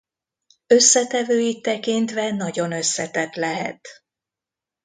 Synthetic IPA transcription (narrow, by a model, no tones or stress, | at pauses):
ø̞sːɛt̪ɛvøːjit̪ːɛkint̪ʋɛnɒɟo̞nø̞sːɛt̪ɛt̪lɛɦɛ̰t̪